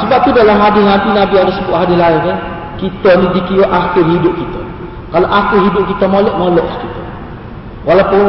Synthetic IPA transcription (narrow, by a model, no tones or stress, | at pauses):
səbap̚t̪udalamɦadɪhnadinabiaɾəsəbʊʔ̪̚ɦadɪlaɪnkə | kit̪ənidikiwaʔaxɪrɦidʊp̚kit̪ə | kaloʔaxɪrɦidʊp̚kit̪əmolɔʔmolɔʔskit̪ə | walapʊn